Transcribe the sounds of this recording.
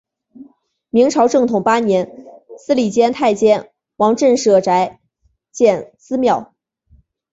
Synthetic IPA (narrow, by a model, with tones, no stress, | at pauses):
mi˧˥ŋʈ͡ʂʰɑ˧˥ʊʈ͡ʂɤ˥˩ŋt̪ʰʊ˨˩ŋpa˥njɛ˧˥nsɹ̩˥li˨˩t͡ɕjɛ˥nt̪ʰa˥˩ɪt͡ɕjɛ˥n | wɑ˧˥ŋʈ͡ʂə˥˧nʂɤ˥˩ʈ͡ʂa˧˥ɪ | t͡ɕjɛ˥˩nsɹ̩˥mjɑ˥˩ʊ